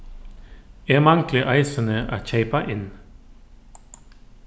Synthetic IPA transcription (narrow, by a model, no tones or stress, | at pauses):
eːmɑŋklɪʔɑɪsənəʔæ̰ːçæɪpɑʔɪn